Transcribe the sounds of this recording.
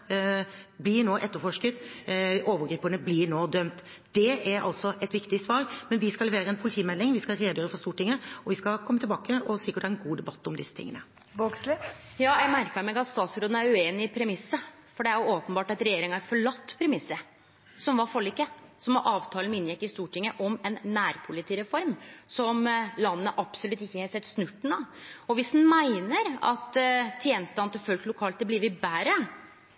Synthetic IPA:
blɪnoːʔɛt̪ːəɾfɔʂkət̪oːʋəɾɡɾiːpənəblɪnoːd̪œmt̪ | d̪̥ɛæɾʔɑ̰lt̪sɔʔɛt̪ʋɪkt̪ɪsʋɑːɾmɛnʋɪskɑlɛʋeːɾəɛnpʰʊlɪt̪ʰiːmɛlːɪŋʋɪskɑɾeːd̪jøːɾəfɔɾst̪uːʈɪŋːəɔʋɪskɑkʰɔmːət̪ʰɪlbɑːkəɔsɪkːɾət̪ɛæɾɛnɡuːd̪ɛbɑt̪ːɔmd̪ɪsːət̪ʰɪ̰ŋːənə | boɡslɪjɑːjæɪmæɾkəɾmɛɡɑt̪st̪ɑːt̪sɾoːd̪n̩æɾʉeːnɪpʰɾɛmɪsːə | fɔɖɛæɾjʊoːpənbɑːʈɑt̪ɾɛjeːɾɪŋɑæɾfɔɭɑt̪ːpʰɾɛmɪsːə | sɔmʋɑfɔlːiːkəsɔmɑʔɑːʋt̪ʰɑːlnmɪnjɛkːɪst̪uːʈʰɪŋːəʔɔmɛnːæːɾpʰʊlɪt̪ʰiːɾɛfɔɾmsɔmlɑnːəʔɑpsɔlʉt̪ːɪçːəhɛsɛt̪ːsnʉʈːɳ̩oɔʋɪsd̪n̩mæɪnəɾɑ̰t̪t̪ʰjeːnəst̪ɑnt̪ʰɪfœlk̪lʊkʰɑːlt̪̚d̪ɛbliʋɪbæːɾə

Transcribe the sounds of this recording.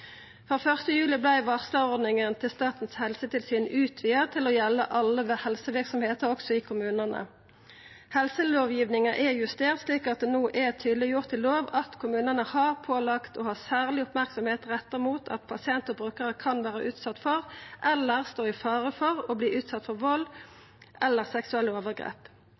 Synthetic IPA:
fʁɑːfœʁst̪əjʉːlɪblæɪʋɑʁsləɔʁd̪nɪŋənt̪ʰɪlst̪ɑːt̪n̩shɛlsət̪ɪlsyːnʉːt̪ʰʋiːəʁt̪ʰɪlɔjɛlːə̰ʔɑlːəʋɛhɛlsəʋɪʁksɔmheːt̪əʁɔksɔɪːkʰʊmʉːnənə̰ | hɛlsəloːʋjiːʋnɪŋɑʔɛjʉst̪eːʁt̪sliːkɑt̪̚d̪ɛnoːʔɛt̪ʰyːd̪lɪjʊʁt̪ʰːɪloːʋɑt̪kʰʊmʉːnənəhɑʁpʰoːlɑkt̪ʰɔhɑːsæːʁlɪʊpmæʁksɔmheːt̪ʁɛt̪ːəʁmuːt̪ʰɑ̰t̪pʰɑsɪɛnt̪ɔbʁʉːkəʁəkʰɑnʋæːʁə̰ʔʉːt̪sɑt̪ːfɔʁʔɛlːəʁst̪oːɪfɑːʁəfɔʁɔbliːʔʉːt̪sɑt̪ːfɔʁʋɔlː | ʔɛlːəʁsɛksʉɛlːəoːʋəʁɡʁḛːp

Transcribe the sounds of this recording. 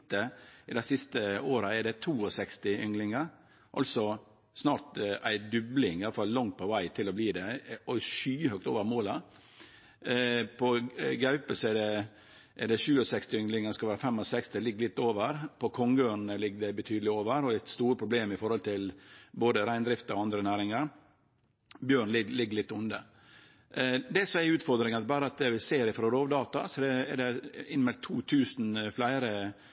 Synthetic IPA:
t̪əɪd̪æɪsɪst̪əoːɾɑɛɖɛt̪ʰuːɔsɛkst̪ɪʔʏ̰ŋlɪŋəɾ | ʔɑ̰lsɔ | snɑːɾt̪æɪd̪ʉblɪŋɪjɑləfɑlːɑŋt̪̚pʰɔʋæɪt̪ʰɪlɔbliːd̪ɛɔʂyːhœk̚t̪oːʋəɾmoːlɑ | pʰɔɡɑʉpəsɔɛɖɛ | ʔɛɖɛʂʉːɔsɛkst̪ɪʏŋlɪŋəskɑʋæːɾɑfɛmɔsɛkst̪ɪlɪɡːlɪt̪ːoːʋəɾpʰɔkʰɔŋɡøːɳ̩əlɪɡːdɛbət̪ʰyːd̪əlɪoːʋəɾɔæɪt̪st̪uːɾəpʰɾʊbleːmɪfɔɾhɔlt̪ʰɪlboːd̪əɾæɪnd̪ɾɪft̪ɑɔɑnd̪ɾənæːɾɪŋəɾ | bjøːɳlɪɡlɪɡːəlɪt̪ːʊnd̪ə | d̪ɛsɔɛʉːt̪fɔɾd̪ɾɪŋɑt̪bɑːɾəɑt̪̚d̪ɛʋɪseːɾɪfɾɔɾoːʋd̪ɑːt̪ɑ̰sɔd̪ɛɛ̰ɖɛɪnmɛlt̪ʰːuːt̪ʰʉːsn̩flæɪɾə

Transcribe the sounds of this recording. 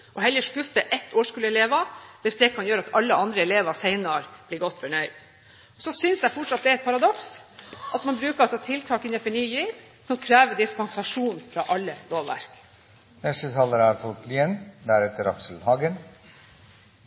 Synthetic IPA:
ʔɔɦɛljəʂkʉfəʔɛt̪ːoːʂkʉːləɛleːʋɑʋɪsd̪ɛːkʰɑnjøːɾɑt̪ɑlːəʔɑnd̪ɾəɛleːʋɑsɛɪnɑɾb̥liːɡɔt̪ːfɔɳœʏd̪̥ | ɔsɔsʏnsjæɪfɔʈʂɑt̪̚d̪ɛæɾɛt̪̚pʰɑɾɑd̪ɔksʔɑt̪mɑnbɾʉːkəɑlsɔt̪ʰɪlt̪ʰɑːkɪnɛfɔɳyːjiːɾ | sɔmkʰɾæːʋəd̪ɪspɛnsɑʂuːnfɾɑʔɑlːəloːʋʋæ̰ɾk | nɛst̪ət̪ʰɑːləɾæɾfɔt̪liːɛnd̪æɾɛt̪ːəɾɑksəl̩hɑːɡən

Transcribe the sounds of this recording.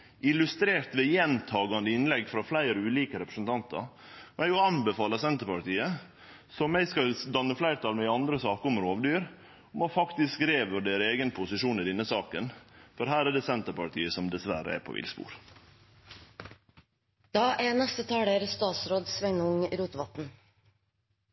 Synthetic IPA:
ʔɪlʉst̪ɾeːɾt̪ʋɛjɛnt̪ʰɑːɡɑnd̪əɪnlɛɡːfɾɑflæɪɾəʉːliːkəɾɛpɾəsnt̪ʰɑnt̪ə̰ɾ | ɛjʊɑnbɛfɑːləsɛnt̪əɾpɑɾt̪iːə | sɔmæɪskɑld̪ɑnːəflæɪɾt̪ʰɑːlmɛɪɑnd̪ɾəsɑːkəɔmɾoːʋd̪yːɾ | ɔmʋɑfɑkt̪ɪskɾeːʋəɖeːɾəeːɡənpʰʊsɪʂuːnɪd̪ɪnːəsɑːkənfɔɾɦæːɾæɖɛsɛnt̪əɾpɑʈ̪ʰiːəsɔmd̪ɛsʋæɾə̰ɛ̰pʰɔ̰ʔɪ̰lspṵːɾ | d̪̥ɑːʔænɛst̪ət̪ʰɑːɽeːɾst̪ɑːt̪sɾoːd̪sʋɛŋnʊŋɾuːt̪ʋɑt̪n̩

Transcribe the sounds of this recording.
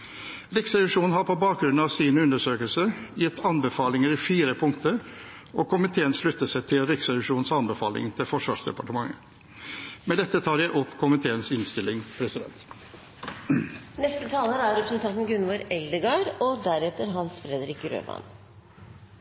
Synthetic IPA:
ɾɪksɛɪʂuːnn̩ɦɑɾpʰɔbɑːk̚ɡɾʉnɑʋsiːnəʉnd̪əʂøːkəlsəjɛt̪ːɑnbəfɑːlɪŋəɾɪfiːɾəpʰʊŋt̪əɾ | ɔkʰʊmɪt̪ʰeːənʂlʉt̪ːəsæɛɪt̪ʰɪlɾɪksɛlɪʂuːnnsɑnbəfɑːlɪ̰ŋt̪ʰɪfɔʂʋɑ̰ːʂd̪ɛ̰pɑʈəmɑŋːə | mɛd̪ɛt̪ːət̪ʰɑːɾjæɪʔɔpːkʰʊmɪt̪ʰeːənsɪnst̪ɪlːɪŋpʰɾɛsɪd̪ɛ̰nt̪ | nɛst̪ət̪ʰɑːləɾæɾɾɛpɾəsn̩t̪ʰɑt̪n̩ɡʉnʋɔɾɛld̪əɡɑɾɔd̪æɾɛt̪əɾɦɑnsfɾɛd̪ɾɪkɾø̰ːmɑ̰n

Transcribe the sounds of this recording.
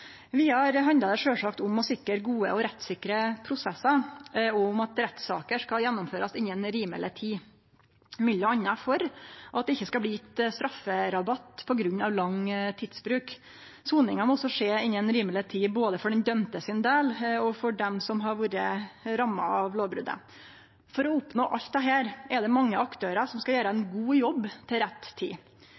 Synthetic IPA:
ʋɪhɑɾɦɑnd̪əd̪ɛʂøːlʂɑkt̪ʊmɔsɪkːəɾɡuːə̰ɔɾɛt̪ːsɪkɾəpʰɾʊsɛsːɑɾɔmɑt̪ɾɛt̪sɑ̰ːkəʂkɑljɛnːʊmføːɾɑsɪnːənɾiːmə̰lʔət̪ʰiː | mʏlːəɑnːɑfɔɾʔɑt̪̚d̪ɛɪçːəskɑlbliːɛt̪st̪ɾɑfːəɾɑbɑt̪ːpʰɔɡɾʉnːɑʋlɑŋːt̪ʰiːd̪sbɾʉːk | suːnɪŋɑmɔɔsːɔʂeːɪnːənɾiːməlɪət̪ʰiːboːd̪əfɔɖɛnd̪œmt̪əsɪnd̪eːlɔfɔɖɛmsɔmɦɑɾʋuːɾəɾɑmːɑ̰ɑʋloːʋbɾʉ̰d̪ə̰ | fɔɾɔʊpnoːʔɑlt̪̚d̪ɛɦæːɾɛd̪ɛmɑŋːəɑkt̪ʰøːɾəʂɔmskɑjæːɾəɛnɡuːjɔbːt̪ʰɪlɾɛt̪ːt̪ʰːḭː

